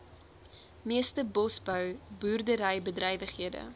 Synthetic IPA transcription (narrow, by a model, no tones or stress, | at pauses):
miəstəbɔsbœwbuːrdəɾəjbədrɛjvəχɦiədə̰